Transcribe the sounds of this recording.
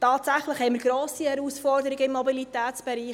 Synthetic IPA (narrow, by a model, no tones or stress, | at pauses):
tɑːtsæχləχhɛɪməɾɡ̥ɾoːsihɛɾusfɔrdəɾɪɡəɪmːɔbilitæːtt͡sb̥ɛɾiːχ